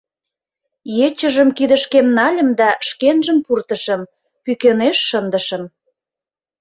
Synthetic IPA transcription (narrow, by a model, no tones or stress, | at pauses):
jet͡ɕə̆ʒə̆mkid̪ə̆ʃkemnɑlʲə̆md̪ɑʃkenʒəmpurt̪ə̆ʃə̆m | pykeneʃːənd̪ə̆ʃə̆m